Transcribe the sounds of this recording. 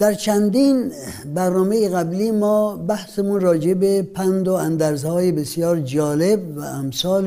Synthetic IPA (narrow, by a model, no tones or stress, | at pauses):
d̪̥æɾt͡ʃʰænd̪iːnbæɾnɒːmejeɣæbliːmɔːbæhsemunrɒːd͡ʒebepʰænd̪oænd̪æɾzhɒːjebesjɒːɾd͡ʒɒːlebvæ̰æmsɒːl